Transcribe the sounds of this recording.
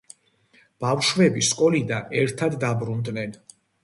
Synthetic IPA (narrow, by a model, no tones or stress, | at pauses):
b̥afʃwɛbiskʼɔlid̪anɛɾt̪ʰad̪ːabɾund̪nɛn